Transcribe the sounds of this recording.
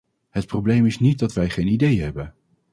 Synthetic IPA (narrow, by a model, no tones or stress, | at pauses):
ɦət̚prowblejmɪsnit̚dɑtʋɛjχejnidejɦɛbən